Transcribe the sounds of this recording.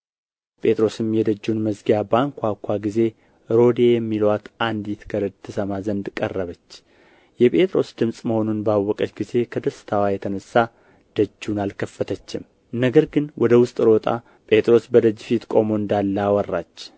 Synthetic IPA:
pʼʰe̞t̪ʼɾo̞sɨmjɛd̪əd͡ʒːunməzɡijabaŋkʰʷakʷʰːaɡize̞ | ɾo̞d̪e̞jɛmːilwat̪ʔand̪jit̪ɡʰəɾət̪ʰːɨsəmazənd̪kʼə̰rːəβət͡ʃː | jɛpʼe̞t̪ʼɾo̞sd̪ɨmsʼməho̞nunbawːɔkʼət͡ʃɡize̞kʰəd̪əsɨ̥t̪ʰawajɛt̪ʰənəsːa | d̪̥əd͡ʒːunalkʰəfːət̪ʰət͡ʃːɪm | nəɡəɾɡɨnwʔɔd̪əwʊst̪ʼɾo̞t̪ʼa̰ | pʼe̞t̪ʼɾo̞sbəd̪əd͡ʒːfit̪kʷʼo̞moɨnd̪alːawɔrːa̰t͡ʃː

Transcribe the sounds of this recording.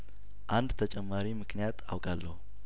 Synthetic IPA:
ʔand̪t̪ʰət͡ʃʼɛmːaɾimɨknijat̪ʰa̰wkʼalːəhu

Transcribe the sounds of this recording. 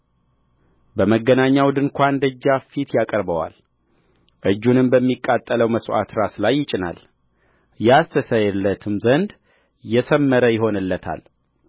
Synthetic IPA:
bəməɡːənaɲːawd̪ɨŋkʷand̪əd͡ʒːafit̪ʰjakʼəɾbəwa̰l | ʔɨd͡ʒːunɨmbəmːikʼːat̪ʼːələwməsʔa̰t̪ɾaslajːɪt͡ʃʼɪna̰l | jast̪ʰəsəjɛlːət̪ʰɨmzənd̪ | jɛsəmːəɾəjɪɦo̞nɨlːət̪ʰa̰l

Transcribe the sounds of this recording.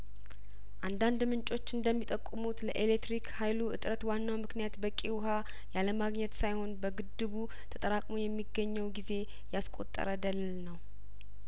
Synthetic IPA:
ʔand̪and̪mɨnt͡ʃʼo̞t͡ʃːɨnd̪əmːit̪ʼəkʼːɨmut̪ləʔelet̪ːɾikhajluʔɨ̰t̪ʼɾət̪wanːawmɨknijat̪bəkʼiwɦa | jaləmaɡɲɛt̪sajho̞nbəɡɨd̪ːɨβu | t̪ʰət̪ʼəɾakʼmo̞jɛmːiɡːəɲːɛwɡize̞ | jaskʼo̞̰t̪ʼːə̰ɾəd̪əlɨlnəw

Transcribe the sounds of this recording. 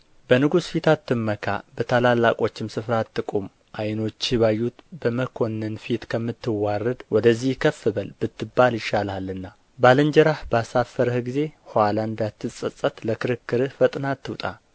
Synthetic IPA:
bənɨɡusfit̪ʰat̪ːɨmːəkʰa̰bət̪ʰalalːakʼo̞t͡ʃːɪmsɨfɾat̪ːɨkʼum | ʔajno̞t͡ʃːiβajːut̪bəməkʰo̞nːɨnfit̪kʰəmːɨt̪ːɨwarːəd̪wɔd̪əzːihkʰəfɨβəlb̥ɨt̪ːɨbːaljɪʃːalalːɨnːa | balənd͡ʒɛɾahbəasafːəɾəhɡize̞haland̪at̪ːɨsʼəsʼət̪ləkɨɾɨkːɨɾɨhfət̪ʼnat̪ːɨwt̪ʼa

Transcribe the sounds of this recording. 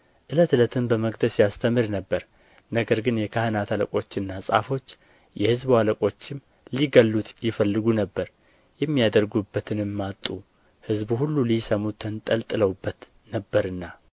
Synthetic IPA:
ʔɨlət̪ɨlət̪ʰɨmbəməɡd̪əsjast̪ʰəmɨɾnəbːəɾ | nəɡəɾɡɨnjɛkʰahɨnat̪ʰaləkʼo̞t͡ʃːɨnːasʼa̰fo̞t͡ʃː | jɛhɨzbaləkʼo̞t͡ʃːɪm | liɡəlːut̪jɪfəlːɨɡunəbːəɾ | jɛmːijad̪əɾɡubːət̪ʰɨnɨmːat̪ʼu | hɨzbuhulːulisəmut̪ʰənt̪ʼəlt̪ʼɨləwbːət̪ | nəbːəɾɨnːa

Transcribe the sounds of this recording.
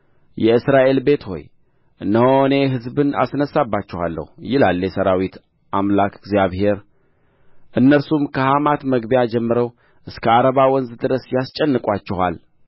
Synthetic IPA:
jɛɨsɾaʔe̞lbe̞t̪ho̞̰j | ʔɨnːəhone̞ɦɨzbɨna̰snəsːabːat͡ʃːɛha̰lːə̰hujɪlalːjɛsəɾawit̪ | ʔamlakɡzjaβhe̞ɾ | ʔɨnːəɾsumkʰəhamat̪məɡbijad͡ʒɛmːɨɾəw | ʔɨskʰəaɾəβawɔnzd̪ɨɾəsjast͡ʃʼɛnːɨkʼwat͡ʃːɛha̰l

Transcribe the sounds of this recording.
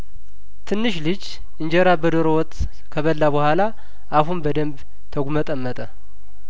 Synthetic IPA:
t̪ʰɨnːɨʃlɨd͡ʒ | ʔɨɲd͡ʒɛɾabəd̪oɾowɔt̪ʼː | kʰəβəlːabəhʷala | aɦunbəd̪əmb | t̪ʰəɡʷumət̪ʼəmːət̪ʼə

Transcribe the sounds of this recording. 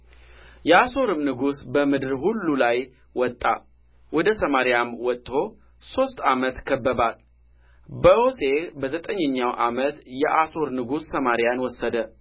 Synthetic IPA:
jɛaso̞ɾɨmnɨɡusbəmɨd̪ɨɾhulːulaj | wɔt̪ʼːa̰ | wɔd̪əsəmaɾijamwɔt̪ʼːho̞ | so̞st̪ʼamət̪kʰəbːəbal | bəose̞bəzət̪ʼəɲːəɲːawʔamət̪jɛʔaso̞ɾnɨɡusːəmaɾijanwɔsːəd̪ə

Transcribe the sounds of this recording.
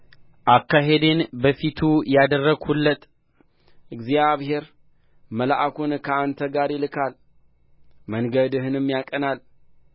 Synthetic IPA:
ʔakːaɦed̪enbəfit̪ʰujad̪ərːəɡhulːət̪ʼ | ʔɨɡzjaβhe̞ɾ | məlaʔakʰunkʰəant̪ʰəɡaɾjɪlɨkʰal | məŋɡəd̪ɨɦɨnɨmːjakʼənal

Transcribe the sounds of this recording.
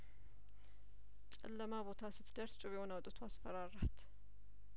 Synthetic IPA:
t͡ʃʼɛ̰lːəmabo̞t̪ʰasɨt̪d̪əɾst͡ʃʼuβɛhonawt̪ʼət̪ʰuasfəɾaɾat̪

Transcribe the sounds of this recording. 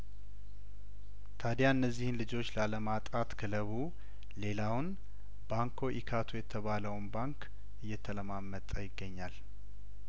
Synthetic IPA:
t̪ʰad̪jaɨnːəzːihɨnlɨd͡ʒo̞t͡ʃːləaləmat̪ʼat̪kʰələβu | le̞lawʊn | baŋkʰo̞ʔikʰat̪ʰojɛt̪ʰəβaləwnbaŋk | ʔɨjːɛt̪ʰələmamːət̪ʼəjɪɡːəɲːal

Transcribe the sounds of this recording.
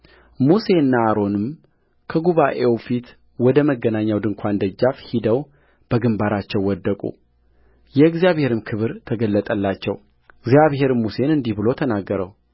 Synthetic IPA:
muse̞nːaːɾo̞nɨm | kʰəɡuβaʔe̞wfit̪ | wɔd̪əməɡːənaɲːawd̪ɨŋkʷʰand̪əd͡ʒːafhid̪əw | b̥əɡɨmbaɾat͡ʃːɛwːɔd̪ːəkʼṵ | jɛɨɡzjaβhe̞ɾɨmkʰɨβɨɾt̪ʰəɡəlːət̪ʼəlːat͡ʃːɛw | ɨɡzijaβɦe̞ɾɨmmːuse̞nɨnd̪ihbɨlo̞t̪ʰənaɡːəɾəw

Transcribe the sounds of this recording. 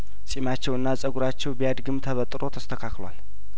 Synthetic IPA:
sʼimat͡ʃːɛwɨnːasʼəɡuɾat͡ʃːɛwbijad̪ɡɨmt̪ʰəβət̪ʼɾo̞t̪ʰəst̪ʰəkʰaklwa̰l

